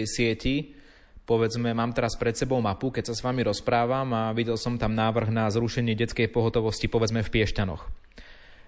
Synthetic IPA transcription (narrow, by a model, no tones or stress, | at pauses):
jsɪɛci | pɔʋɛd͡zmɛmaːmt̪ɛɾaspɾɛt̪sɛbɔʊmapukɛcsasʋamiɾɔspɾaːʋamaʋiɟɛlsɔmt̪amnaːʋr̩ɣnazɾuʃɛɲɪɛɟɛtt͡skɛjpɔɦɔt̪ɔʋɔscipɔʋɛd͡zmɛfpɪɛʃcanɔ̰x